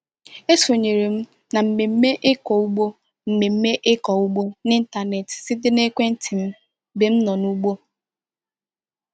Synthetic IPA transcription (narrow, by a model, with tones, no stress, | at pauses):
e˦so˨ɲe˨ɾe˨m̩˦ | na˨m̩˨me˨m̩˦me˦ʔɪ˦kɔ˨u˦ɡ͡bo˦ | m̩˨me˨m̩˦me˦ʔɪ˦kɔ˨u˦ɡ͡bo˦nɪ˦n̩˦ta˨ne˨tsɪ˦dɪ˦ne˦kʷe˦n̩˦tʰi˨m̩˦ | be˨m̩˦nɔ˨nu˦ɡ͡bo˦